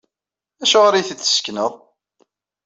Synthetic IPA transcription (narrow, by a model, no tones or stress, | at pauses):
æʃəʁɾiθːə̥sknəðˤ